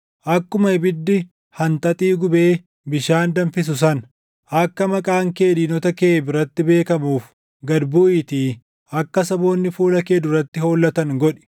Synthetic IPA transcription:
ʔɐkːʊmɐɪbɪd̪ːɪ | hɐnt̪ʼɐt̪ʼiːɡʊbeː | bɪʃaːnd̪ɐɱfɪs̬ʊs̬ɐn | ʔɐkːɐmɐkʼaːŋke̞ːd̪iːnɔt̪ɐkeːbɪɾɐt̪ːɪbe̞ːkɐmuːf | ɡɐd̪bʊʔit̪iː | ɐkːɐsɐbo̞ːnːɪfuːlɐkeːd̪ʊrɐt̪ːɪho̞ːlːɐt̪ɐŋɡɔᶑɛ̥

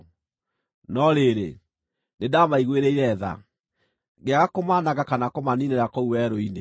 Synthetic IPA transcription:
nɔɾeɾḛ | nedamaiɣweɾɛiɾɛða̰ | ɣeaɣakomaːnaɣakanakɔmanineɾakɔuwɛɾoine

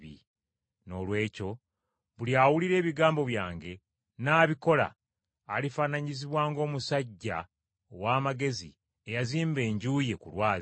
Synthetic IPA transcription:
ḭ | no̞ːlwe̞ːco̞ | βuliaːwuliɾe̞ːβiɡaːmbo̞βjaːŋɡe̞ | naːβiko̞la̰ː | lifaːnaɲiziβwaːŋɡo̞ːmusaɟːa̰ | owaːmaɡe̞zḭ | ejaziːmbe̞ːɲɟuje̞kulwaːz

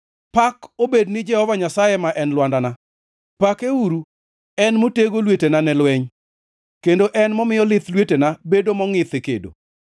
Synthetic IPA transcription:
pakobednɪd͡ʒɛhɔvaɲasajemaʔɛnlwandana | pakeuɾu | ɛnmoteɡolwetenanɛlwɛɲ | kendoʔɛnmɔmɪjɔlɪt̪lwetenabedomɔŋɪt̪ekḛdo̰

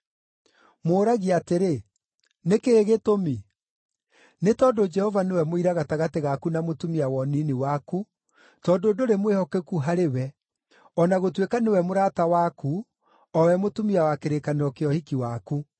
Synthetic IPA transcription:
moːɾaɣiateɾe | nekeɾeɣetomi | netɔdod͡ʒɛhɔvanewɛmoiɾaɣataɣateɣakunamotumiawɔniniwaku | tɔndoːdoɾemwehɔkekuɦaɾewɛ | ɔnaɣotwekanewɛmoɾatawaku | ɔwɛmotumiawakeɾekaneɔkeɔhikiwaku

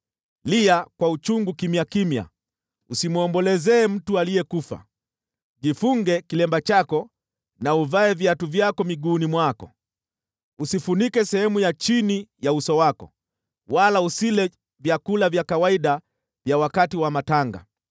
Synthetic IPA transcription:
liakwaut͡ʃuŋɡukimjakimja̰ | usimuɔmbɔlɛzɛːm̩tualijɛkufa̰ | ʄifuŋɡɛkilɛmbat͡ʃakɔ | nauvaɛvjatuvjakɔmiɠuːnimwakɔ̰ | usifunikɛsɛhɛmujat͡ʃinijausɔwakɔ̰ | walausilɛ | vjakulavjakawaiɗa | vjawakatiwamataŋɡa̰

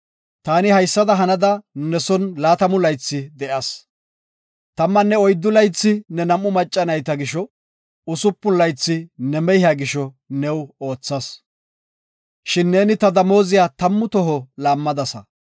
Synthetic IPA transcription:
t̪aːnɪhɐjsːɐd̪ɐɦɐnɐd̪ɐnɛsɔnlaːt̪ɐmʊlɐjt͡sːɪd̪ɛʔɐs | t̪ɐmːɐnːɛɔjd̪ːʊlɐjt͡sːɪnɛnɐmːʊmɐt͡ʃʼːɐnɐjt̪ɐɡɪʃɔ | ʊsʊpːʊnlɐjt͡sːɪnɛmɛjaɡɪʃɔ | nɛwo̞ːt͡sːɐs | ʃɪnːe̞ːnɪt̪ɐd̪ɐmo̞ːzɪjaːt̪ɐmːʊt̪ɔɦɔlaːmːɐd̪ɐsɐ̰

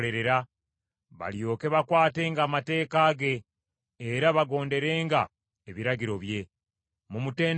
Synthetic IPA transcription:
le̞ɾe̞ɾa | βa̰ljo̞ːke̞βakwaːte̞ːŋɡaːmate̞ːkaːɡe̞ː | ɾaβaɡo̞ːnde̞ɾe̞ːŋɡa | eβiɾaɟiɾo̞βje̞ | mumute̞ːn

